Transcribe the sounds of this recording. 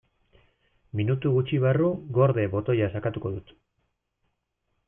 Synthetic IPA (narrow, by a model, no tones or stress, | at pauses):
minut̪uɣut͡ʃiβaruɡo̞ɾðe̞βo̞t̪o̞jasakat̪uko̞ðut̪